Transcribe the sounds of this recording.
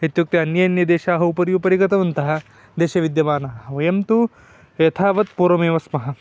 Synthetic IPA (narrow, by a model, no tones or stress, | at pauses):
et̪juk̚t̪iɐnjɐjɐnjɐd̪eːʃaːɦɐupɐɾjupɐɾikɐt̪ɐʋɐnt̪ɐɦɐ̆ | d̪eːʃɐʋid̪jɐʋaːnɐɦɐʋɐjɐmt̪u | jɐt̪ʰaːʋɐt̪̚puːɾʋɐmeːʋɐsmɐɦɐ̆